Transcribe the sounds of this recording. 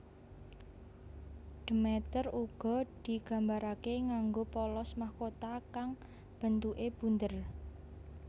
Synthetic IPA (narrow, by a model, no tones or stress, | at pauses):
ɖ̪̥əmɛt̪əruɡ̥ɔ̤d̪̥i̤ɡ̥a̤mbaɾakeŋaŋɡopɔlɔsmahkot̪akaŋ | b̥ə̤nt̪uʔeb̥ṳnd̪ər